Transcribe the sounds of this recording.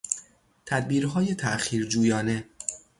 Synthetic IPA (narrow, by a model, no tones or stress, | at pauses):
t̪ʰæd̪̚biːɾɦɒːje̞t̪ʰæʔxiːɾd͡ʒuːjɒːne̞